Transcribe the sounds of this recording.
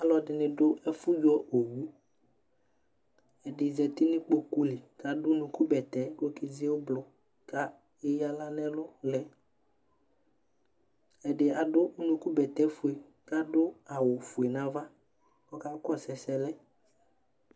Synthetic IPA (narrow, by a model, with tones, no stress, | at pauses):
a˨lɔ˨dɪ˨nɪ̃˨ɖʊ˦ɛ˦fʊ˦d͡ʒu˦ɔ˦ʔo˨wu˦ | ɛ˨ɖɪ˨zɛ˨t̪ɪ˦nɪ̃˦k͡po˦ku˦lɪ˨ka˨dʊ˦nũ˨ku˦bɛ˨t̪ɛ˨˦ko˦kɪ˦zɪ˦o˦blɔ˨ | ka˦ | e˦ja˦la˦nɛ̃˦lʊ˦lɛ˨ | ɛ˨dɪ˨a˨dʊ˦nũ˦ku˦bɛ˨t̪ɛ˦fu˨e˨ | ka˦dʊ˦a˨wʊ˨fu˨e˨nã˨va˦ | kɔ˦ka˦kɔ˦sɛ˨sɛ˦lɛ˦